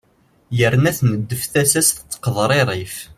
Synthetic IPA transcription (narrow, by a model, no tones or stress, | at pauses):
jəɾnæθnəd̪ːəfθæsæsθət͡sːqðˤɾˤeɾˤif